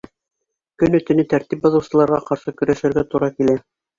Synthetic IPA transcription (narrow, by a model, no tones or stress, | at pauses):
kɵnɵ̆t̪ɘ̆nɘt̪æɾt̪ip̚bɑ̆ðɤ̆wsɤ̆lˠɑɾʁɑqɑɾʃɤkɵ̆ɾæʃɘ̆ɾɡæt̪uɾɑkilæ